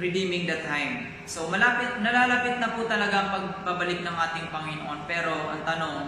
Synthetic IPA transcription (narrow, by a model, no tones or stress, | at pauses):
ɹɪd̪imɪŋd̪ɐt̪ʰːajm | somɐlaːpɪt̪̚nɐlaːlaːpɪt̪̚nɐput̪ɐlɐɡaɐŋpɐɡ̚pabɐlɪk̚nɐŋʔaːt̪ɪŋpɐŋɪnoʔonpɛːɾo̞ʔɐ̰ŋt̪ɐno̞ŋ